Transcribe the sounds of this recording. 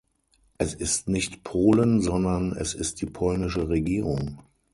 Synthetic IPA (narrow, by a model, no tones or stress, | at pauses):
ʔɛsɪstnɪçtpʰoːlənzɔndɐnɛ̰sɪst̚d̥iːpʰɔlnɪʃəʁeɡiːʁʊŋ